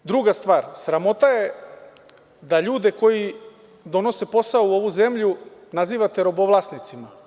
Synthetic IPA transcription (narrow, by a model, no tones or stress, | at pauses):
d̪ɾuɡast̪ʋaːɾsɾamo̞t̪aje̞ | d̪aʎuːd̪e̞ko̞ji | d̪o̞no̞se̞po̞saoo̞ʋuze̞mʎunaziːʋat̪e̞ɾo̞boʋlˠasnit̪sima